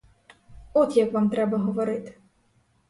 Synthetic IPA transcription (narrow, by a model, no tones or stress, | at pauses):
ɔt̪jɐkvamt̪ɾɛbɐɦɔvɔɾɪt̪